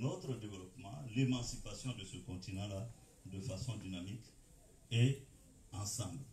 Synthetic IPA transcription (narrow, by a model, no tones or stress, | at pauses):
not̪ɾədevelɔpmãlemãsipasjɔ̃dəsəkɔ̃ntinãla | dəfasɔ̃dinamik | e | ãsãbl